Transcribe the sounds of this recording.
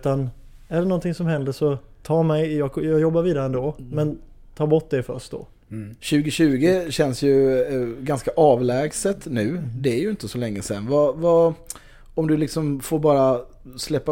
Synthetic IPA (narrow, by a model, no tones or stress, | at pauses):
t̪anæɖɛnɔnt̪ɪŋsɔmhɛnd̪əʂɔt̪ʰɑːmɛjjɑːɡjɑːɡjɔbːaɾviːd̪aɾəɛnd̪oːmɛnt̪ʰɑːɾbɔʈ̚ːd̪ɛfœ̰ʂʈ̪̚d̪ɔ̰ | ɕʉ̟ːɡɪɕʉ̟ːɡɪɕɛnsjɵɡanskaʔɑːvlɛːɡsət̪ːnʉ̟ːd̪ɛæɾjɵɪnt̪əsɔlɛŋːəsɛnvava | ɔmd̪ɵlɪksɔmfoːɾbɑːɾa | slɛpːa